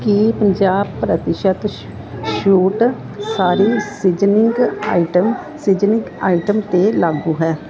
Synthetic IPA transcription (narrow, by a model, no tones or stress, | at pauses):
kipəɲd͡ʒaːbpːɾət̪ɪʃət̪ | ʃuːʈ | saːɾiːsɪd͡ʒnɪŋɡaːiʈəm | sɪd͡ʒnɪŋɡaːiʈəmt̪eːlaːɡuːɦɛː